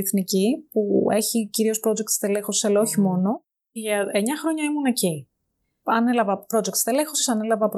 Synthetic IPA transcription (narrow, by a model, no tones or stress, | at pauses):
θnicipue̞çiciɾio̞spɾo̞d͡zekt̪st̪elexosi̥selooçimo̞no̞ | ʝɐeɲɐxɾo̞ɲɐimune̞ci | ɐne̞lɐvɐpɾod͡ze̞kt̪st̪ele̞xosisɐnelɐvɐp